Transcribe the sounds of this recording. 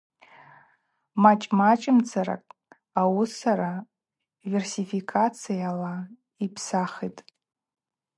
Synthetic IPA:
mat͡ʃʼmat͡ʃʼɪmt͡sʰaɾa̰kʼ | awusaɾa | versifikʰʼat͡sʰijala | ipʰsaχitʼ

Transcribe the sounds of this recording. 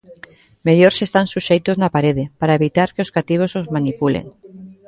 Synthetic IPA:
meʎoɾsest̪ansuʃejt̪oznapaɾeðepaɾaeβit̪aɾkeoskat̪iβ̞osozmanipulḛŋ

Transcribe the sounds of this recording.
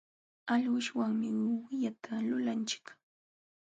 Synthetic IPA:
aʎwʊʃwaŋmɪwwɪʎat̪ʰalʊlant͡ʃɪ̥k

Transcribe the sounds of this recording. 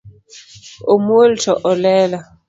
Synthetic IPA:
omoltʰɔʔɔlɛla

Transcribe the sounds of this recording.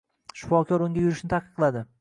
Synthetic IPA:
ʃʊ̥fɒkʰʲɒɾʊŋɡʲajʊɾɪʃnɪt̪ʰaqʰɨ̥qʰːlˠad̪ɪ

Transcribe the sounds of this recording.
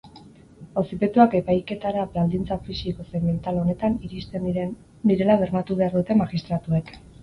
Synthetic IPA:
o̞sipe̞t̪uake̞pajke̞t̪aɾabald̪int͡safisiko̞sement̪alo̞ne̞t̪aniɾist̪e | diɾe̞laβe̞ɾnat̪uβe̞aɾðut̪e̞maɣist̪ɾat̪ue̞k

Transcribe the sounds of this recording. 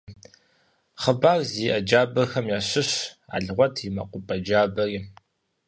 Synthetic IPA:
χəbaːrziːʔɐd͡ʒaːbɐxɐmjaːɕɪɕa̰ːɮʁʷɔtʰimɐ̰qʷʼʊpʼɐd͡ʒaːbɐriː

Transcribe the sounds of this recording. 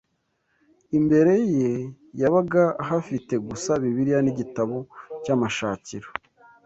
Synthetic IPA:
imbe̞ɾe̞je | jaβaɡaɦafite̞ɡusaβiβiɾijaniɟitaβo̞camaʃaːciɾo

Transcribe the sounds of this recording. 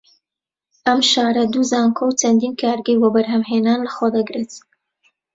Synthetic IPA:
ɐmʃaːɾɐd̪uzaːŋkʰowt͡ʃɐnd̪iːnkʰaːɾɡəjwɔbɐɾɦɐmɦeːnaːnlɐxwod̪ɐɡɾet̪

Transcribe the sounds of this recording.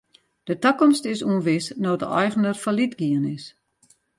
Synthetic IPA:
d̥ətəkɔmstɪsuənʋɪsnɔːdə̰ʔɔjɣənərfalitɡiənɪs

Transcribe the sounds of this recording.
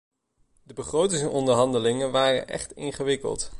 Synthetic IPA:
dəbəχrowtɪŋsnɔndəɹɦɑndəlɪŋənʋaːrə̰nʔɛ̰χtɪ̰nχəʋɪkə̰lˠt

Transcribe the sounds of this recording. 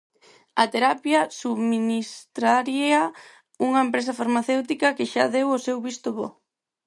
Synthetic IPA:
ɐt̪eɾapjɐsuβminist̪ɾaɾiɐ | uŋɐempɾesɐfaɾmaθewt̪ikɐkɪʃaðewosewβist̪ʊβɔ̰

